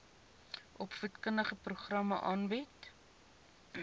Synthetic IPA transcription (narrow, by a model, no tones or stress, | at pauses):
ʔɔpfətkəndəχəpruχrɐmɐʔɑːnbit